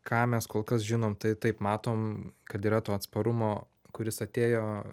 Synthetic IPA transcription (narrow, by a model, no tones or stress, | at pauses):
kʰɑːmʲɛskoːlˠkɐsʒʲɪnoːmt̪ɐɪt̪ɐɪpmɑːt̪oːmkɐt̪iːɾɐt̪oːɐt̪spɐɾʊmoː | kʊɾʲɪsɐt̪ʲeːjoː